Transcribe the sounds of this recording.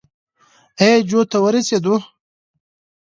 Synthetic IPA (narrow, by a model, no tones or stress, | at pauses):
ed͡ʒot̪awəɾesed̪u